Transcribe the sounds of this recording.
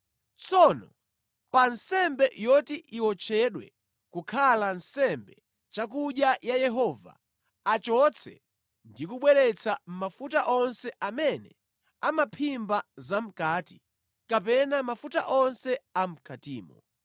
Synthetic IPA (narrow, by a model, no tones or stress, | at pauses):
t͡sɔnɔ | pansɛmbɛjɔtiʔiwɔt͡ʃʰɛɗwɛ̰ | kukʰalansɛmbɛ | t͡ʃak̬uɗjajajɛɦɔva̰ | at͡ʃɔt͡sʰɛ̰ | ndikuɓwɛɾɛt͡sʰam̩mafutaʔɔnsɛʔamɛnɛ | amapʰimbazam̩kaːti | kap̬ɛnamafuta̰ʔɔnsɛam̩kʰatiːmɔ